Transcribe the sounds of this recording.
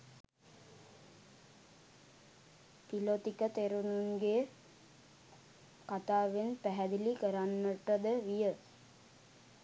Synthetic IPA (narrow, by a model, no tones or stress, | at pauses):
pilot̪ikət̪eɾunuŋɡe | kat̪aːʋenpæɦæd̪ilikəɾanːəʈəd̪əʋijə